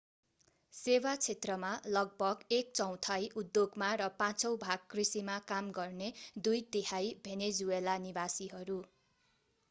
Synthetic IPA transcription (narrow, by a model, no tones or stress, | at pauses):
sewat͡sʰet̪rʌmalʌɡ̚bʱʌɡek̚t͡sʌw̃t̪ʰʌjʔud̪joɡmaɾʌpãt͡sʌwbʱaɡ̚krisimakamɡʌrned̪ujd̪ehajbʱened͡zuelanibasiɦʌɾu